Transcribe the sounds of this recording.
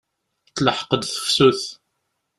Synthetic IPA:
t͡sːləħə̥qəd̪θə̥fsuθ

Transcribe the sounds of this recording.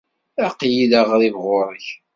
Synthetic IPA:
æqjiləʁɾivʁʊɾˤəç

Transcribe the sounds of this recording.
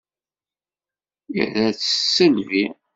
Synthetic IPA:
ḭðæt͡sːəsːəlvi

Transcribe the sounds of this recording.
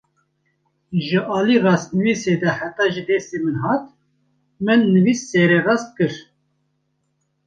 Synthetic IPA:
ʒɨʔɑːliːrɑːst̪̚nɨviːseːd̪ɛhæt̪ɑːʒid̪ɛsemɨnɦɑːt̪̚ | mɨnːɨviːsːeːɾɛrɑːst̪̚kɨɾ

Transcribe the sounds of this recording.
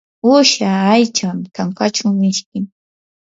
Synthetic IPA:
ʊʃaajt͡ʃamt̪aŋkat͡ʃʊmɪʃkɪm

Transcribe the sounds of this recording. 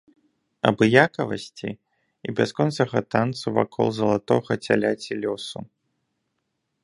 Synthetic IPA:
ɐ̰bɨjakɐvɐsʲt͡sʲi | ibʲaskɔnt̪sɐɣɐt̪ant̪suva̰kʰɔ̰lˠzɐlˠat̪ɔɣɐt͡sʲalʲat͡sʲilʲɔsu

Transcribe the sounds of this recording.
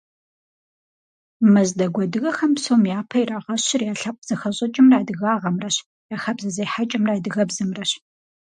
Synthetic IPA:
mɐzdɐɡʷɔdɨɣɐxɐmpsowmjaːpʰɐjraʁɐɕɪrjaːɬɐpʷʼz̥ɐxɐɕʼɐt͡ʃʼɪmraːdɨɣaːʁɐmrɐɕ | jaːxɐbzɐzejħat͡ʃʼɪmraːdɨɣɐbzɨmrɐɕ

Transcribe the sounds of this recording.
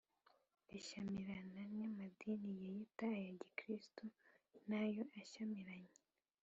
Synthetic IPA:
iʃamiɾanaɲɲamadiːnijejitaːjaɟikɾistunajoʔaʃamiɾaɲe

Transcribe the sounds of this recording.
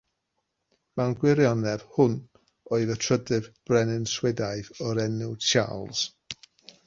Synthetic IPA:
manɡwɪɾjɔnɛv̥hʊn | oːɨðətʰr̥ədɨvb̥rɛnɪnswɛdajðɔɾɛnʊt͡ʃʰa̰lˠs

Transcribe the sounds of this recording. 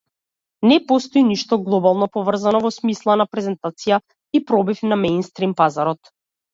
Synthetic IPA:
nɛpɔst̪ɔiniʃt̪ɔɡlˠɔbalˠnɔpɔvr̩zanɔvɔsmislˠanapɾɛzɛnt̪at̪sija | ipɾɔbifnamɛjnst̪ɾimpazaɾɔt̪

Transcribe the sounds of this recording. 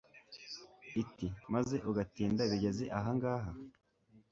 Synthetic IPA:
itimaze̞ʔuɡatiːndaβiɟe̞ze̞ʔaɦaŋɡaːɦa

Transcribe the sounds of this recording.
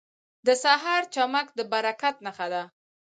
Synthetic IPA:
d̪əsaɦɑɾt͡ʃamakd̪əbaɾakat̪̚naxad̪a

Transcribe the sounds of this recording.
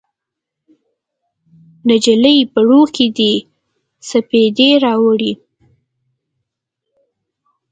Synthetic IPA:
nad͡ʒələjpəɽokid̪i | saped̪eɾɑwəɽi

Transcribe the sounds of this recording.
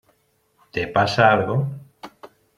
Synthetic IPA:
t̪epasaalɣo

